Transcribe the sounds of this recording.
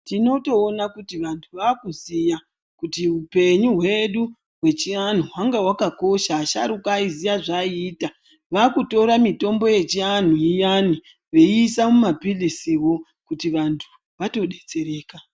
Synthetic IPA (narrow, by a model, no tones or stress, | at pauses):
tino̞to̞ːnakutiʋantʰuʋaːkuzija | kutiupe̞ɲuɦwe̞ɗu | ɦwe̞t͡ʃian̤uwaŋɡawakako̞ʃaːʃaɾukaizijaʐaiːta | ʋakuto̞ɾamito̞mbo̞je̞t͡ʃian̤ujijani | ʋe̞iːsamumapilisiwo̞ | kutiʋantʰu | ʋato̞ɗe̞t͡se̞ɾe̞ːka